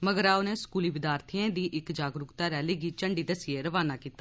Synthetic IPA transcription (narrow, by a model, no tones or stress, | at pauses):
məɡəɾaːoneːskuːliːʋɪd̪jaːɾt̪ʰiãːd̪iːʔɪkd͡ʒaːɡɾʊkt̪aːɾɛːliːɡiːt͡ʃəɳɖiːd̪əsɪeɾəʋaːnaːkiːt̪aː